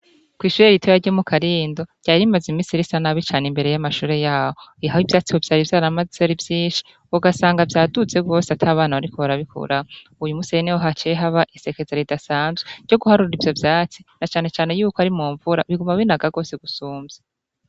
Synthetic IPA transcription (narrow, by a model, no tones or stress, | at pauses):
kwiːʃuːɾeɾitʰojaɾɟomukʰaɾiːndo̞ɾɟ̥aːɾimazimiːsiɾisanaβit͡ʃaːnembe̞ɾe̞jamaʃuːɾe̞jaːhoiɦaivjaːt͡sihovjaːɾivjaːɾamazeɾivjiːnʃi̥ | uɡasaːŋɡavjaːdut͡se̞b̚ɡo̞ːseatʰaːβaːnaβaɾikoβaɾaβikʰṵɾa | ujumusijenewoɦat͡ʃeɦaβaʔise̞kezaɾidasaːnzɡweɾɟ̥o̞ɡuhaɾuɾɾivjo̞vjaːt͡si̥nat͡ʃaːne̞t͡ʃaːne̞juːkoaɾimuːɱvuɾa̰βiɡumaβinaɡaɡo̞ːseɡusuːmzze